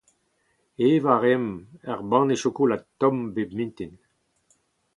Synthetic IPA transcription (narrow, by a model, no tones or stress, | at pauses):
evaʁɛmɛʁbɑ̃neʃokulat̪ɔ̃mbebmĩnt̪in